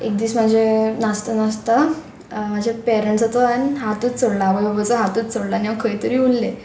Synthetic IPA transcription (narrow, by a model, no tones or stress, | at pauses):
ek̚d̪iːsmad͡ʑʱenast̪ənast̪a | m̤ad͡ʑepɛɾəɳʈsat̪oanɦat̪uːt̪t͡soɽlabəbəbət͡səɦat̪uːt̪t͡soɽlanaʋəkʰəjt̪əɾiːulːe